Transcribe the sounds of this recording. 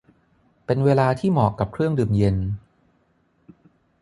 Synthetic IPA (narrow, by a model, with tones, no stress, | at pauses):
pe˧nweː˧laː˧t̪ʰiː˥˩mɔː˨˩kːa˨˩p̚kʰɾɯ˥˩əŋdɯː˨˩mje˧n